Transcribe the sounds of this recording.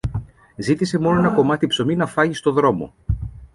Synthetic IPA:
zit̪ise̞mo̞no̞e̞nɐko̞mɐt̪ipso̞minɐfɐʝist̪oðɾo̞mo̞̰

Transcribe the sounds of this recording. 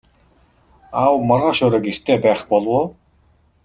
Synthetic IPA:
awmɔɾʁɔːʃʊːɾə̆kir̥t̪ʰeːpæːχpɔɮwʊː

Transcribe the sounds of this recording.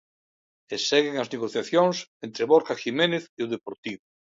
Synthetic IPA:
eseɣeŋazneɣoθjaθjoŋsent̪ɾeβoɾkaximẽneθiʊð̞epoɾt̪iβʊ

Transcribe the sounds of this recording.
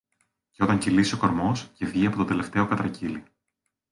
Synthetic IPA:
ceo̞t̪ɐɲcilisio̞ko̞ɾmo̞sce̞vʝiɐpo̞t̪od̪e̞le̞ft̪e̞o̞kɐt̪ɾɐcili

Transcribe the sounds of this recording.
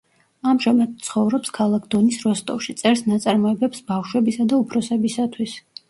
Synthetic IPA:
amʒamad̪̚t̪sʰχɔvɾɔpskʰalˠakʰd̪ɔnisɾɔst̪ʼɔfʃit̪sʼɛɾsnat̪sʼaɾmɔɛbɛpsbafʃwɛbisad̪aupʰɾɔsɛbisat̪ʰwis

